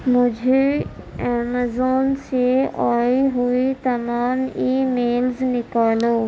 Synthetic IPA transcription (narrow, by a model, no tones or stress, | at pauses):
mʊ̃d͡ʑʱe | ɛːmazoːnseaːiɦuit̪ɐmaːmiːmeːlznɪkaːloː